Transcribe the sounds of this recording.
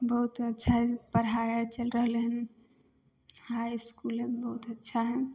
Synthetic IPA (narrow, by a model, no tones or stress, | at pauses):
bəɦut̪ətːʃʰaɦɛpəɾɦajəɾt͡ʃəlɾəɦleɦən | hajskulebəɦut̪ətːʃʰaɦɛ